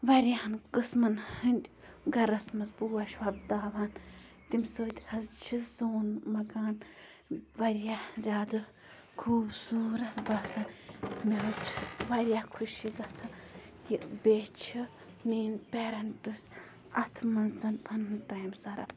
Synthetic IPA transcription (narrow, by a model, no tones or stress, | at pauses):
ʋɐɾʲjahɐnkɨsmɐnhɨnd̪ʲ | ɡɐɾɐsmɐsbuːɐʃwɐb̚d̪aːʋan | t̪imsəːt̪ʲhɐzt͡ʃʰizoːnmɐkaːn | ʋɐɾjazʲaːd̪ɨ | kʰuːbsuːɾɐbɐsɐnmiɨt͡ʃʰi̥ʋɐɾʲjakʰuʃiɡɐt͡sʰa | kibeːt͡ʃʰi | niːnpeːɾɐntɨs | ɐt̪ʰmɐnzɐnpʰɐnɨnʈajmsɐɾɐ̰b